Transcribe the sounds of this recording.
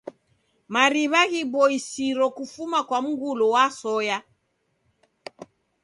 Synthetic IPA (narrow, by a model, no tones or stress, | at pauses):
maɾiβaɣibɔisiɾɔkufumakwam̩ɡulɔwasɔja